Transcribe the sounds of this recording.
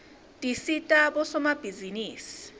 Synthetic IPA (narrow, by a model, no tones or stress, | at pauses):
tʼisitʼabɔsɔmab̥ʱiziniːsi̥